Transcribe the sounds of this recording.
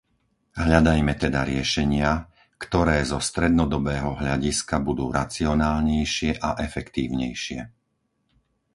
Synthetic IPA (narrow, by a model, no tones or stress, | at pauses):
ɦʎad̪ajmɛt̪ɛd̪aɾɪɛʃɛɲɪa | kt̪ɔɾɛːzɔst̪ɾɛd̪nɔd̪ɔbɛːɦɔɦʎaɟiskabud̪uːɾat͡siɔnaːlɲɛjʃɪɛʔaʔɛfɛkt̪iːʊɲɛjʃɪɛ